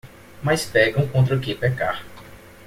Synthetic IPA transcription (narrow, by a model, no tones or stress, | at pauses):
majspɛɡɐ̃w̃kõt̪ɾɐukɪpɛkaɾ